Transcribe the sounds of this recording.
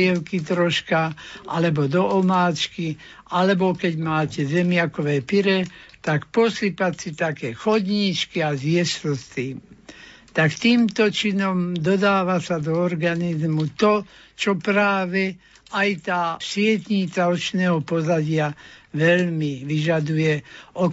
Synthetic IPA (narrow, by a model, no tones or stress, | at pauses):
ɛlkit̪ɾɔʃkaʔalɛbɔd̪ɔʔɔmaːt͡ʃki | alɛbɔkɛɟmaːcɛzɛmɪakɔʋɛːpiɾɛt̪akpɔslipat͡sit̪akɛːxɔd̪ɲit͡ʃkiazjɛslɔst̪iːmt̪akt̪iːmt̪ɔt͡ʃinɔmd̪ɔd̪aːʋasad̪ɔːɾɡanizmut̪ɔ | t͡ʃɔpɾaːʋɛ | ajt̪aːsɪɛt̪ɲit͡saɔt͡ʃnɛɦɔpɔzaɟɪaʋɛlmiʋiʒad̪ujɛɔ